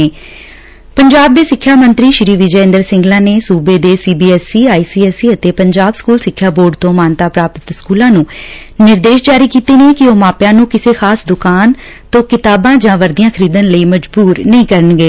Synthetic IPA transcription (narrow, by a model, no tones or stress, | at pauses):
eː | pəɲd͡ʒaːb̚d̪eːsɪkʰːjaːmə̃nt̪ɾiːʃɪɾiːʋɪd͡ʒəɪ̃nd̪əɾsɪ̃ŋɡlãːneːsuːbeːd̪eːsiːbiːɛːsiːaːiːsiːɛːsiːət̪eːpəɲd͡ʒaːbskuːlsɪkʰːjaːboːɾɖt̪õːmaːnt̪aːpɾaːpət̪skuːlãːnũː | nɪɾd̪eːʃd͡ʒaːɾiːkiːt̪eːneːkɪoːmaːpjãːnũːkɪseːxʰaːsd̪ʊkaːn | t̪õːkɪt̪aːbãːd͡ʒãːʋəɾd̪ijãːkʰəɾiːd̪ənləiːməd͡ʒbuːɾnəĩːkəɾənɡəeː